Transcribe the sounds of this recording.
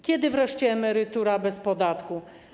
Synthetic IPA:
kʲɛd̪ɘvɾɛʂt͡ɕɛːmɛɾɘt̪uɾabɛspɔd̪at̪ku

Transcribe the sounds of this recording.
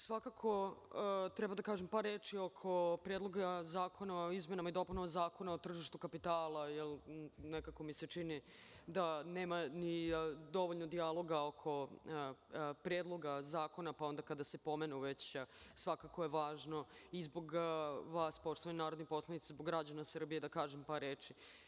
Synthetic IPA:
sʋakakʰo̞ | t̪ɾɛbad̪akaːʒempaɾːeːt͡ʃiokʰo̞pɾeːd̪lˠoɡazaːkʰo̞naoizmenamaid̪o̞punomazaːko̞naot̪r̩ʒiʃt̪ukapit̪aːlˠajɛlnekako̞miset͡ʃinid̪aneːmanid̪o̞ʋoʎnod̪ialˠo̞ɡaokʰo̞ | pɾeːd̪lˠo̞ɡazaːko̞napao̞nd̪akad̪asepo̞menuʋet͡ɕsʋakakojeʋaːʒno̞izbo̞ɡʋaːspo̞ʃt̪oʋaɲnaːɾod̪nexpo̞slˠanit̪sezboɡːɾad͡ʑanasr̩bije̞d̪akaːʒempaɾeːt͡ʃi

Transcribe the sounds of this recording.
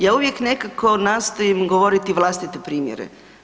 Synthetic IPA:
jaːuʋje̞kne̞kako̞naːst̪o̞jimɡoʋoɾit̪iʋlˠast̪it̪epɾiːmjḛɾḛ

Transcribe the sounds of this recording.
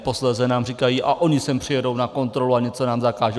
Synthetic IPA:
po̞slɛzɛnaːmriːkajiːʔaʔʔo̞ɲɪsɛmpr̝̥ɪjɛdo̞wnako̞nt̪ɾo̞luaɲɛt͡so̞naːmzakaːʒɛ

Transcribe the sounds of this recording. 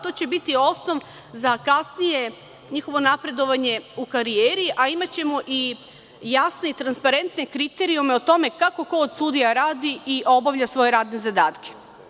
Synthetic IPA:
t̪o̞ːt͡ɕe̞bit̪io̞sno̞ʋ | zakasnije̞ | ɲixo̞ʋo̞napɾe̞d̪o̞ʋaɲe̞ukaɾijeːɾiʔaimat͡ɕe̞mo̞ʔi | jasne̞it̪ɾanspaɾe̞nt̪ne̞kɾit̪eɾiume̞ot̪o̞me̞kako̞koːd̪sud̪ijaɾaːd̪iiʔo̞baʋʎasʋo̞je̞ɾaːd̪ne̞zad̪aːt̪kʰe̥

